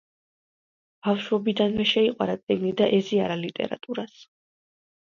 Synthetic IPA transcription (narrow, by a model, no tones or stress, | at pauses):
b̥afʃwɛbid̪anvɛʃɛiqʼwa̰ɾat̪sʼiɡnid̪aʔɛziaɾalit̪ʼɛ̰ɾa̰t̪ʼuɾas